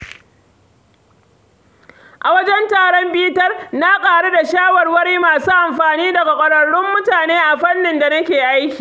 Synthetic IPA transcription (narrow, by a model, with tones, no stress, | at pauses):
ʔa˨wɐ˦d͡ʒɛ˦ntaː˨ɽɔ˦mbiː˦tɐ˦rna˦kʼaː˨ɽe˦da˨ʃaː˦wɐ˨rwɐ˦ɽiː˦maː˨suː˦ʔa˨mɸaː˨niː˦dɐ˨ɡa˨kʷʼɐ˨ɽɐ˨ɽʊ˦mːʊ˦taː˨neː˦ʔa˨ɸɐ˦nːɪ˨nda˨nɐ˦kʲeː˨ʔa˦jkʲi̥ː˨